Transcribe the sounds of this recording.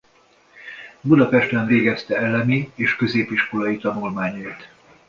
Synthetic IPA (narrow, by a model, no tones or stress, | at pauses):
bud̪ɒpɛʃt̪ɛɱveːɡɛst̪ɛɛlɛmieːʃkø̞zeːpiʃko̞lɒjit̪ɒnulmaːɲɒit̪